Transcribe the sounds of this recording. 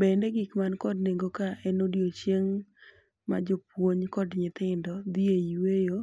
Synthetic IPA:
bɛndɛɡɪkmankɔdneŋɡokaʔɛnodjot͡ʃjeŋ | ma̰d͡ʒɔpwoɲkɔdɲɪt̪ɪndɔd̪iewejo

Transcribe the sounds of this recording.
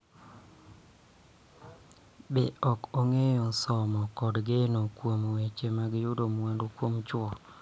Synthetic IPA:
bɪɔkoŋejɔsɔmɔkɔdɡenokwomowet͡ʃemaɡɪjʊdomwandokwomt͡ʃwɔ

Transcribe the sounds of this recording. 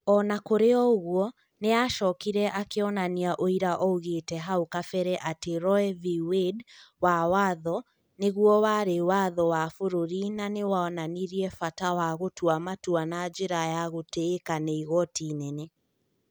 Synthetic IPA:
ɔnakoɾeɔɣuɔ | neaʃɔkiɾɛʔakeɔnaniaʔoiɾaʔɔɣetɛɦaokafɛɾɛʔateɾɔɛviwedwawaðɔ | neɣuɔwaɾewaðɔwafoɾoɾinanewaɔnaniɾiɛfatawaɣotuamatuanad͡ʒeɾajaɣoteːkaneiɣɔtinene

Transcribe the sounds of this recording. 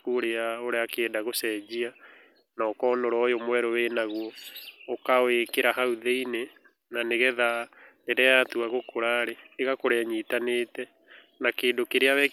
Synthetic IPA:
koɾeaoɾeakeːdaɣosɛd͡ʒia | naːkɔnɔɾɔjomwɛɾoweːnaɣwɔːkawekeɾaɦauðeine | naneɣɛða | eɾɛatuaɣokoɾaɾeeɣakoɾɛaɲitaneːtɛ | nakeːndokeɾeaβɛ

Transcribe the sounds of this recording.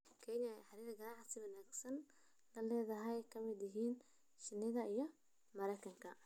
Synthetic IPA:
kʰɛnɐɛħɑɾiːðɐɡɐɾaħsɪwɐnaːɡsɐn | lɐlɛːðɐɦɛjkʰɐmɪd̪jɪɦiːn | ʃɪnːɪðɐijɞ | mɐɾɛjkʰɐŋkʰɐ

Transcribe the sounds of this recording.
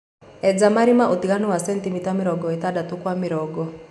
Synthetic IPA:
ɛd͡zamaɾimaʔotiɣanɔwasɛntimitamiɾɔɡɔetadatukwamɪɾɔɡɔ

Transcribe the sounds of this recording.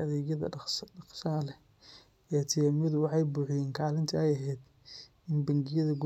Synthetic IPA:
ɐðɛːɣjɐðɐ̰ɑqʃɐɐlɛ | ɛːt̪ʰɪjaːmjɐðʊwɑħɑjbuːħjɛːŋkʰaːlɪnt̪ʰɐɛjɐɦɛːd̪ | ɪnbɐŋɡɪjɐðɐɡ

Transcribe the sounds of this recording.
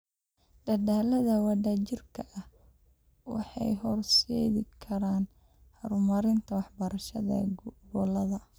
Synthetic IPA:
d̪̥ɐdaːlɐðɐwɑdat͡ʃɪrkʰɐʔɐh | wɑ̰ħɑ̰jɦɔrʃɛðɪkʰɐɾaːn | hɐɾʊmɐɾɪnt̪ʰɐwɑħbɐɾɐʃɐðɐ̰ɡɔlɐðɐ

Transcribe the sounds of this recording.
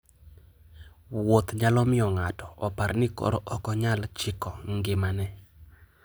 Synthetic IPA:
wot̪ɲalɔmɪɔŋatɔɔpaɾnɪkɔ̰ɾɔʔɔkɔɲalt͡ʃɪkɔŋɡɪmanɛ

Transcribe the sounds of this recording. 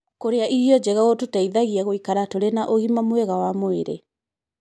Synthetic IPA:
koɾeaʔiɾiɔd͡ʑɛɣaɣotutaiðaɣiaɣoikaɾatoɾenaʔoɣimamwɛɣawamoeɾḛ

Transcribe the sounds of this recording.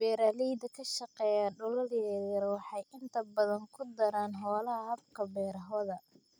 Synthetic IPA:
bɛːɾaːliːd̪ɐkʰɐʃɐqɛːjaːɖʊlɐrjɛːðɐɾwɑħɑjʔɪnt̪ʰɐbɐðɐŋkʰʊd̪ɐɾaːnɦɔːlɐɦɐɦɐb̚kʰɐbɛːɾɐɦɔðɐ

